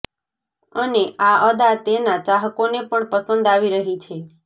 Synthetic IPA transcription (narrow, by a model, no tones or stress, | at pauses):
əneʔaəd̪at̪enat͡ʃaɦəkonepəɳpəsənd̪aʋiɾəɦit͡ʃʰe